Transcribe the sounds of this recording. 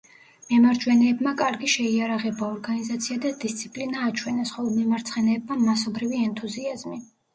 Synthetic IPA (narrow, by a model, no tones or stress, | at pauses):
mɛmaɾd͡ʒwɛnɛːbmakʼaɾɡiʃɛiaɾaʁɛbaɔɾɡanizat̪sʰiad̪ad̪ist̪sʰipʼlinaːt͡ʃʰwɛnɛsχɔlˠɔd̪mɛmaɾt̪sʰχɛnɛːb̚mamasɔbɾiviɛnt̪ʰuziazmi